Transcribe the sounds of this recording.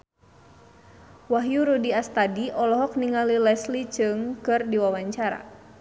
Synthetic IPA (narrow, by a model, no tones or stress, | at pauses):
waɦjuɾudiast̪adiʔɔlɔɦɔk̚niŋalilɛslit͡ʃɨŋkɨrdiwawaɲt͡ʃaɾa̰